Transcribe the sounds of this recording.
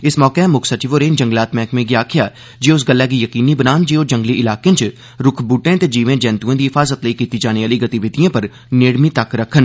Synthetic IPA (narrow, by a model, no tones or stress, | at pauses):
ɪsmɔːkeɦɛ̃ːmʊkʰsət͡ʃiʋoɾeːnd͡ʒə̃ŋɡlaːt̪mɛ̃ːkmẽːɡɪjaːkʰɪjaː | d͡ʒeʊsɡəlːɛːkijəkiːniːbənaːnd͡ʒeːod͡ʒə̃ŋɡliʔɪlaːkẽnt͡ʃ | ɾʊkʰbuːʈẽːt̪eːd͡ʒiːʋẽːd͡ʒɛ̃ːnt̪uẽːd̪iːɦɪfʰaːzət̪ləikiːt̪iːd͡ʒaːneʋaːliːɡət̪iʋɪd̪ijãːpəɾ | nɪːɽmit̪ɐkɾəkʰːən